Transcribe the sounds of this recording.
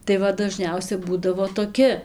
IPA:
tɐɪ ˈʋɐ dɐˈʒʲnʲɛʊsʲɛ ˈbuːdɐʋoː toːˈkʲɪ

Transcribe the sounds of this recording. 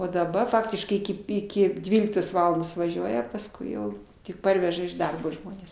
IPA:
oː dɐ bɐ ˈfɑːktʲɪʃkɐɪ ˈɪkʲɪ ˈɪkʲɪ ˈdʲʋʲiːlʲɪktoːs ˈʋɑːlˠɐndoːs ʋɐˈʒʲuɔjɛ pɐsˈkʊɪ jɛʊ tʲɪk ˈpɐrʲʋʲɛʒɐ ɪʃ ˈdɐrboː ˈʒmoːnʲɛs

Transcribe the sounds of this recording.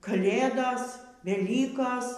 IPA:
kɐˈlʲeːdoːs ʋʲɛˈlʲiːkoːs

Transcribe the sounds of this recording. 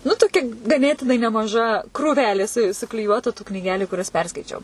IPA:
nʊ tʊˈkʲɛ ɡɐˈnʲeːtʲɪnɐɪ nʲɛmɐˈʒɐ krʊˈʋʲæːlʲeː sʊ sʊklʲɪˈjuɔtʊ tuː knʲiːˈɡʲæːlʲʊ ˈkʊrʲɛs ˈpʲɛrskɐɪt͡ʃʲɛʊ

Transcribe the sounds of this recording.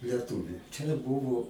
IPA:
lʲɛˈtuːʋʲʊ t͡ʃʲɛ ˈbʊʋoː

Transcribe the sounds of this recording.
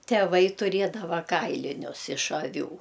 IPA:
tʲɛˈʋɐɪ tʊˈrʲiɛdɐʋɐ ˈkɐɪlʲɪnʲʊs ɪʃ ɐˈʋʲuː

